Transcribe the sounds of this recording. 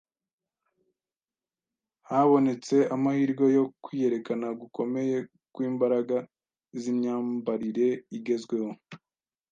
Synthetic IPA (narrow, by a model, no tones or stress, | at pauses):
haβo̞ne̞t͡se̞amahiːɾɡo̞jo̞kwiːje̞ɾe̞kanaɡukʰo̞me̞je̞ | kwiːmbaɾaɡa | zimɲaːmbaɾiɾe̞iɡe̞zɡwe̞ho